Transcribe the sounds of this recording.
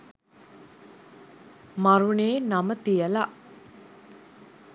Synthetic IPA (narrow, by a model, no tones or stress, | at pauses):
maɾuɳeːnamət̪ijəla